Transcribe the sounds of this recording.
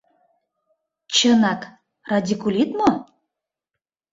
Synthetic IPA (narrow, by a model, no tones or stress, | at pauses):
t͡ɕənɑk | rad̪ʲikulʲit̪mo